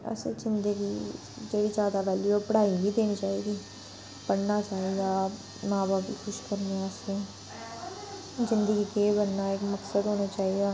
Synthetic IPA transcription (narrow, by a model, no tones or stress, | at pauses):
ɛ̰sḛzɪ̃nd̪əɡi | d͡ʒeizjaːd̪aʋɛːljopəɽ̤aːibʱid̪eːnit͡ʃaːɦiɡiː | bəɽnat͡ʃaːɦia | mãːbaːpikʰʊʃkəɾneɛse | zɪ̃nd̪əɡikeːbənːaeːkməksəd̪ɦoːnat͡ʃaːɦiaː